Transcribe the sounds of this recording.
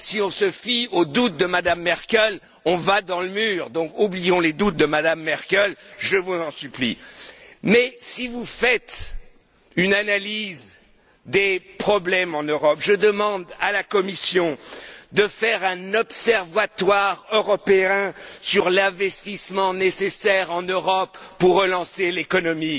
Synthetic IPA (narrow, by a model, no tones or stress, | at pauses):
siɔ̃səfiod̪ut̪̚d̪əmad̪amːɛʁkʲɛl | ɔ̃vad̪ɑ̃ləmyːʁd̪ɔ̃kublijɔ̃led̪ut̪̚d̪əmad̪amːɛʁkʲɛlʒəvuzɑ̃syplḭ | mɛsivufɛt̪ | ynanaliz | d̪epχɔblɛmɑ̃nøʁɔpʒəd̪əmɑ̃d̪alakɔmisjɔ̃d̪əfɛʁɛ̃nɔpsɛʁvat̪waʁøʁɔpeɛ̃syʁlɛ̃vɛst̪ismɑ̃nesesɛʁɑ̃nøʁɔpːuʁːəlɑ̃selekɔnɔmi